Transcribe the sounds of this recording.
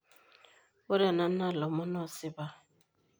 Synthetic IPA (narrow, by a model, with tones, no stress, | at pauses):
o˦ɾa˨na˨˦na˦˨lɔ˨mɔ˦nɔ˦˨sɪ˦ba˦